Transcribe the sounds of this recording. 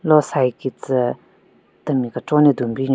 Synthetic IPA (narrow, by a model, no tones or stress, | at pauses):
losajikit͡sə | t̪əmikəʈ͡ʂoneɦd̪unpiɲ